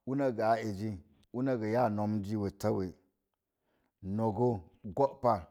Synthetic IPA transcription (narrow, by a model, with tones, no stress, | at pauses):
u˦na˦ɡa˨a˨e˨d͡ʒi˦ | u˦na˦ɡa˨ja˦˨no˨md͡ʒi˦we˨ta˦we˨ | no˨ɡo˦ɡo˦ʔpa˦